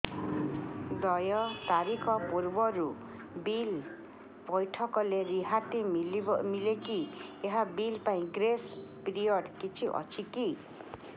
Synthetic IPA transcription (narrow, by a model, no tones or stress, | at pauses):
d̪ʌjɔt̪aɾikʰɔpuɾbɔɾu | bil | bɔjʈʰɔkɔleɾiɦat̪imilmilekieɦabilpaĩɡɾespɾijɔɽkit͡sʰiʔʌ̰t͡sʰiki